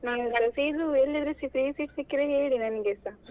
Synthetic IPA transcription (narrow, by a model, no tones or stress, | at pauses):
naːnɡɐɭɐsiːd̪uelːɐd̪ɾesikɾiːsiʈsikːiɾeeːɽinɐniɡesa